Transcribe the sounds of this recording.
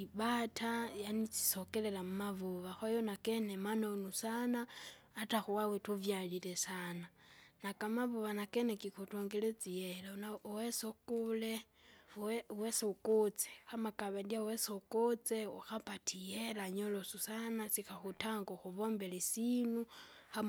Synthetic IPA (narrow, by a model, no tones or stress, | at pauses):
iβatʰajanit͡si̥sokele̞lamumavuβaxajonakenemanonusanaː | taxuwawetuvjalilesananakamavuβanakenekixutoŋɡelet͡sijelanawesokule | weseukut͡se̥xamakaβadiawesoukot͡seuxapatʰijelaɲolosusanasixaxutaŋɡoxuβoːmbelesinuxa